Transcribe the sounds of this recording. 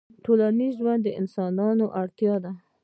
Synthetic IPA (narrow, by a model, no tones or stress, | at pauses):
ʈolanizʒwand̪ːəʔɪnsɑnɑnoʔaɽt̪jɑd̪a